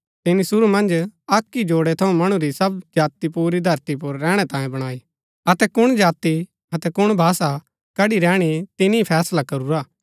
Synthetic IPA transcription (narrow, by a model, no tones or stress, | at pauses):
t̪ɪnisʊɾumɐ̃nd͡ʒɐkːid͡ʒoːɽɛt̪ʰɐũmɐɽ̃ũɾisɐbd͡ʒaːt̪ipuːɾid̪ʱɐɾt̪ip̬ʊɾːɛːɽ̃ɛt̪ãːjẽbɐɽ̃aːi | ɐt̪ɛkʊɽ̃d͡ʒaːt̪i | ɐt̪ɛkʊɽ̃bʱaːsa | kɐɽiɾɛːɽ̃it̪ɪnipʰɛːslakɐɾuɾaː